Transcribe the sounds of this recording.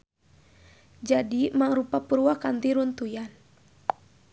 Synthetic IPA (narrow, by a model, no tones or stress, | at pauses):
d͡ʒadimaŋɾupapuɾuakant̪iɾunt̪ujan